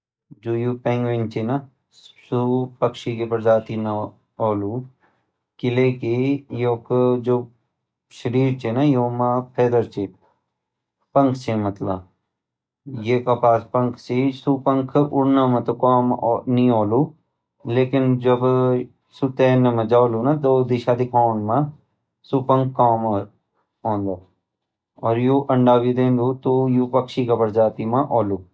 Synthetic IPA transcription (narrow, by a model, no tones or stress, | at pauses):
d͡ʒuːjuːpẽːŋɡʋent͡ʃʰinɐ | supɐkʃikepɐɾzaːt̪ina | oːluː | kɪleːkejoːkd͡ʒoː | ʃɐɾiːɾt͡ʃʰenɐjoːmaːpʰeːd̪ɐɾt͡ʃʰeː | pɐ̃ŋkʰt͡ʃʰemɐt̪la | jeːkɐpaːspɐŋkʰt͡ʃisupəŋkʰʊɾnãːmãt̪okaːmnĩoːluː | leːkɪnd͡ʒɐb | sut̪eːnemãd͡ʒaːluːnat̪od̪ɪʃaːd̪ɪkʰaːnmã | supəŋkʰːaːm | õːnd̪aː | ɔːɾjoːʔɐɳɖaːʋid̪ẽːnd̪uːt̪ojupɐkʃiːkapəɾd͡ʒaːt̪imãʔoːluː